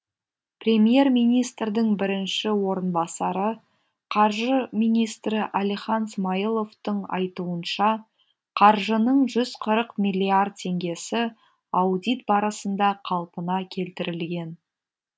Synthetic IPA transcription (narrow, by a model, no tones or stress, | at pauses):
prʲe̞mje̞rmijnijst̪ɾd̪ɪŋbɪɾɪnʃɪwo̞ɾənbɑsɑɾə | qʰɑɾʒəmijnijst̪ɾɪʔælijχɑnsmɑjilˠo̞ft̪əɴɑ̰jt̪uənʃɑ | qʰɑɾʒənəɴʒʏz̥qʰəɾəqmʲijlʲːiard̪̚t̪ʰe̞ŋɡʲe̞sɪ | ɑwd̪ijt̪̚bɑɾɑsənd̪ɑqʰɑlˠpənɑkʲʰe̞lt̪ɪɾɪlɡʲe̞n